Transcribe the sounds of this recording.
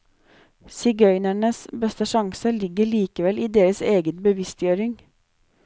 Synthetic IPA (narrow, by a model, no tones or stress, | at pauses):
sɪɡœʏnæɳəsbɛst̪əʃɑŋsəlɪɡəɭiːkəʋɛlʔiːd̪eːɾəseːɡət̪bəʋɪst̪jøːɾɪŋ